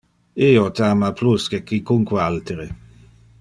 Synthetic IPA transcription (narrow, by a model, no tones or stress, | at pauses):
iːot̪aːmapluskekikuŋkwealt̪eɾe